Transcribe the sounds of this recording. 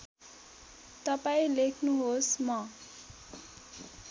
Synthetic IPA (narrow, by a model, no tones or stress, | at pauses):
t̪ʌpaĩlekʰnuɦosmʌ